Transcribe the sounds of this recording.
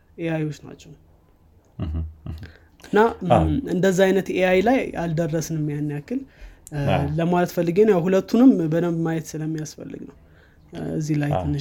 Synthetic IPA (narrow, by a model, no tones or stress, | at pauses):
ʔeajo̞t͡ʃːna̰t͡ʃːɛw | ɨnːaɨ̰nd̪əzːaajnət̪eajlajʔa̰ld̪ərːəsnmːijanːijakːɨl | ləmalət̪fəlːɨɡenjawhulət̪ʰːunɨmbəd̪əmmajɛt̪sɨləmːijasfə̰lːɨ̰ɡnəw | ɨ̰zːilajt̪ʰɨnːɨ